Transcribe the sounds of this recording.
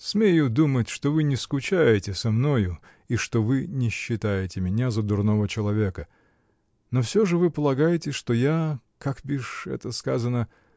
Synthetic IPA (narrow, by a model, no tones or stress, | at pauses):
smʲejʊd̪umətʲʂt̪ovɨnʲɪskʊt͡ɕæjɪtʲɪsɐmno̞jʊ | iʂt̪ovɨnʲɪɕːɪt̪ajɪtʲɪmʲɪnʲazəd̪ʊrno̞vət͡ɕɪlˠɐvʲe̞kə | nofsʲoʐɨvɨpəlˠɐɡajɪtʲɪʂt̪oja | kakbʲiʂɛ̰t̪əskazənə